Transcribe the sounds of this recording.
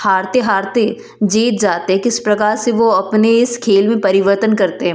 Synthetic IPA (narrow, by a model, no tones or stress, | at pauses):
haːɾt̪eɦaːɾt̪e | d͡ʒeːt̪̚d͡ʒaːt̪eɦɛ̃kɪspɾɐkaːɾseʋoɐpneɪskʰeːlmẽpɐɾɪʋəɾt̪ənkɐɾt̪eɦɛ̃